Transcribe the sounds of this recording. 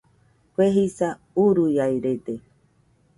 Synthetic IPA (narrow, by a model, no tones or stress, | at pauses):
kʷeɦisa | uɾujajɾet̪e